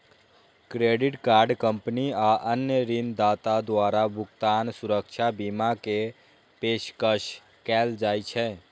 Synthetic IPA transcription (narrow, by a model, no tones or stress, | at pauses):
kɾeːɖɪʈkaːɾɖkə̃mpniaʔənjəɾind̪aːt̪ad̪waːɾabʱʊkt̪aːnsʊɾəkʃʰabiːmake | peːʃkəʃ | kɛːld͡ʒaːit͡ʃʰɛː